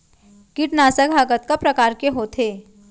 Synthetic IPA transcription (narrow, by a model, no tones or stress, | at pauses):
kɪʈnaːsəkɦaɡət̪kapɾɐkaːɾkeɦoːt̪ʰeː